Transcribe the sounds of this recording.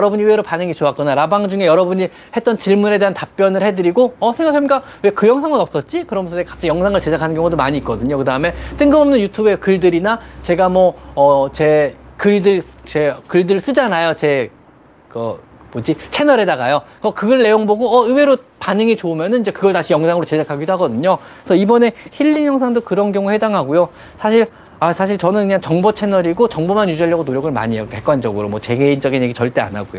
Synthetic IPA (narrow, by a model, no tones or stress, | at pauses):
jʌɾʌbuɲiɯweɾopanɯŋit͡ɕoak͈ʌnaɾabaŋd͡ʑuŋe̞jʌɾʌbuɲi | he̞t͈̚ʌnt͡ɕiɭmune̞de̞ɦantap̚p͈jʌnɯɭhe̞dɯɾiɡoʌsʰeŋɡakʰːamik͈a | we̞kɯjʌŋsʰaŋɯnʌp̚s͈ʌt̚t͡ɕ͈ikɯɾʌmjʌnsʰʌekap̚s͈ijʌŋsʰaŋɯɭt͡ɕe̞d͡ʑakʰanɯnɡjʌŋudomaɲiːt̚k͈ʌdɯɲokɯdaɯme̞t͈ɯŋɡɯmʌmnɯnjutʰubekɯɭdɯɾinat͡ɕe̞ɡamwʌʌt͡ɕe̞kɯɭdɯɭt͡ɕekɯɭdɯɭs͈ɯd͡ʑanajot͡ɕe̞ | ɡʌ | pod͡ʑit͡ɕʰe̞nʌɾe̞daɡa̰jokʌkɯɡʌɭːe̞joŋboɡoʌɯwe̞ɾopanɯŋit͡ɕoumjʌnɯnid͡ʑe̞kɯɡʌɭtaɕʰijʌŋsʰaŋɯɾot͡ɕe̞d͡ʑakʰaɡidoɦaɡʌdɯɲo | sʰʌibʌne̞çiʎːiɲjʌŋsʰaŋdokɯɾʌnɡjʌŋuhe̞daŋɦaɡojo | sʰaɕʰiɭ | asʰaɕʰiɭt͡ɕʌnɯnkɯɲaŋt͡ɕʌŋbʌt͡ɕʰe̞nʌɾiɡot͡ɕʌŋbomanjud͡ʑaʎːjʌɡonoɾjʌɡɯɭma̰ɲijoke̞k͈wand͡ʑʌɡɯɾomʌt͡ɕe̞ɡeind͡ʑʌɡinjeɡit͡ɕʌɭt͈e̞a̰na̰ɡojo